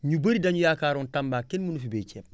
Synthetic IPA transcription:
ɲubɐɾidaɲujakaːɾɔntambaːkenmunufibet͡ʃeb̚

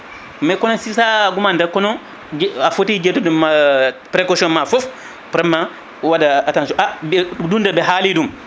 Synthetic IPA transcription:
majkɔnɔsisaɡumandɛkɔnɔ | d͡ʒafotid͡ʒɛtɔdumːapɾɛkɔsiɔnmafɔf | pɾɛmːa | wadaːtansɔʔabɛdundabɛɦalidum

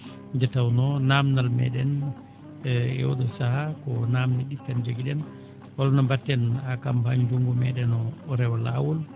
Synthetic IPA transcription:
d͡ʒatawnɔnamnalmɛ̰ɗɛn | ɛ̰wɔ̰ɗɔsahakɔnaːmnɛɗifɛnd͡ʒoɡiɗɛn | walɔnɔmbatːɛnakampaɲd͡ʒuŋɡɔmɛɗɛnɔːɾɛwɔla̰wɔl

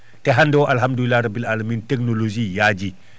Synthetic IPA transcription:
tɛɦandɔwʔalɦamdulilaɾɐbilalɐmintɛknoloʒiːjaɟi

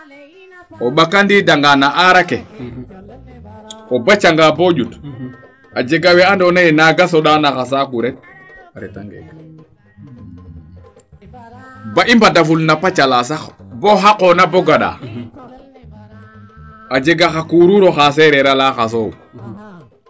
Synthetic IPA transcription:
oɓakandidaŋɡanaʔaɾake | obat͡ʃaŋɡaboɟut | ad͡ʒeɡawɛandonajinaɡasoɗanaxas̬akuɾet̚ | ŋɡ̰ | baʔimbadafulnapat͡ʃalasaxboɦakonaboɡaɗa̰ | ad͡ʒeɡaxakuɾuɾoxasɛɾeɾalaxas̬ow

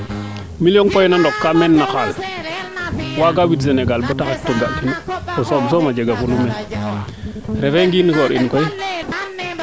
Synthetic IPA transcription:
miljonkojnandɔkːamenːaxal | waɡawits̬eneɡalbotahatːoɡaʔkinatososomad͡ʒeɡafulumen | ɾefeŋɡinikoɾinkoi

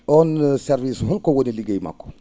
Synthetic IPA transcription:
ɔnsɛɾvisɦunkɔwoniliɡejma̰kːɔ̥

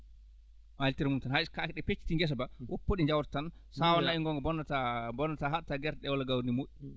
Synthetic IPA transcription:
maltiɾmumtɛnhajkakɛɗɛpet͡ʃːi̥tiŋɡɛs̬ɔbawʔopːoɗiɲd͡ʒawɾtan | sawanaiŋɡɔŋɡɔbɔnːatabɔnːataɦaɗtaɡɛɾɗɛwɔlaɡawɾnimoɗi

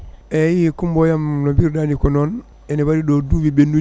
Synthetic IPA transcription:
ejikumbojamnobiɾdanikonon | enibaɾidoduwibenːu

